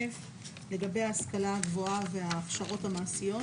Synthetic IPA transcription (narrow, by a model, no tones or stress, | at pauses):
ef | le̞ɡabe̞jaːskalahaɡvo̞ave̞aːχʃaʁo̞thamaːsijo̞